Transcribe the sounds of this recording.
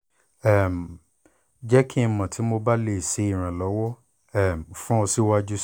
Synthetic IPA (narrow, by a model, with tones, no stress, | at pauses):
ɛ˦˨m˨ | d͡ʒɛ˦kʰi˦˧mã˨tʰi˨˦mo˧ba˦le˦˨se˨˦i˦˨ɾ̃ã˨lɔ˨˦wɔ˦ | ɛ˦˨m̩˨fũ˦o˧si˦wa˦d͡ʒu˦